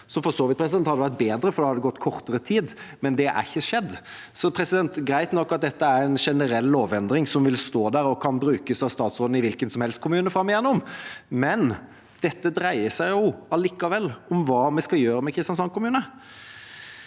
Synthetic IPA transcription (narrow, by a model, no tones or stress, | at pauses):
sɔfɔsoːʋɪt̪̚pʰɾɛsd̪ɛnhɑd̪əʋæɾt̪̚beːd̪ɾəfɔɾd̪ɛhɑd̪ɛɡɔt̪ːkʰɔɾt̪əɾət̪ʰiːd̪mɛnd̪ɛʔæ̰çːəʂɛd̪ː | sɔpʰɾɛsɪd̪ɛnt̪ɡɾæɪt̪nɔkːɑt̪̚d̪ɛt̪ːəæɾɛɪnʂɛnəɾɛlːoːʋɛnd̪ɾɪŋsɔmʋɪlst̪oːd̪æɾɔkʰɑnbɾʉːkəsɑʋst̪ɑːt̪sʁoːd̪̩ɪʋɪlkənsɔmhɛlst̪kʊmʉːnəfɾɑmːɪjɛnːʊmmɛn | d̪̥ɛt̪ːəd̪ɾæɪəsæɪjʊɑliːkɑʋɛlːɔmʋɑːmɛskɑjøːɾəmɛkʰɾɪst̪ɑnsɔnkʰʊmʉːnə